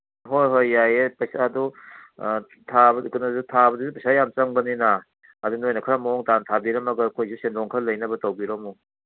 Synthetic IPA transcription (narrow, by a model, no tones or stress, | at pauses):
ɦojɦojːajepɐjsadu | tʰabkunɐzutʰabɐduzupɐjsajamt͡ʃɐŋbɐnina | ɐdunojnɐkʰaɾamaɔŋtantʰabiɾɐmɐɡɐkʰojzusendɔŋkʰɐɾlɐjnɐbɐtawbiɾɔmu